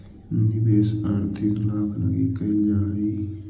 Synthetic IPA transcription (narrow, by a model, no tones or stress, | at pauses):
ibeːsaːɾt̪ʰɪklaːkʰlə̰ɡikɐd͡ʒaːi